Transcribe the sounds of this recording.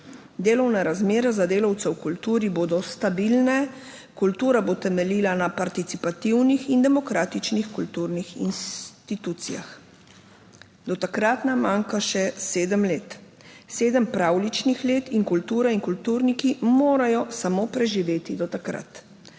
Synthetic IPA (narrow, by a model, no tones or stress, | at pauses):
d̪eːlɔwnaɾazmeːɾazad̪eːlawt̪sɛwkult̪uːɾiboːd̪ɔst̪abilnɛ | kult̪uːɾabot̪ɛmɛliːlanapaɾt̪it̪sipat̪iwnixind̪ɛmɔkɾaːt̪it͡ʃnixkult̪uɾnixḭnst̪it̪uːt̪sija̰x | d̪ɔt̪akɾat̪namːaːŋkaʃɛseːd̪əmleːt̪ | seːd̪əmpɾaːwlit͡ʃnixleːt̪iŋkult̪uːɾaiŋkult̪uːɾnikimoːɾajɔsamoːpɾɛʒiʋeːt̪id̪ɔt̪akɾa̰t̪